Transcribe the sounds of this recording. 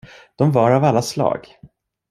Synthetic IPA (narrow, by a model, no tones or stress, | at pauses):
d̪̥ɔmvaɾavalːaslɑ̰ːɡ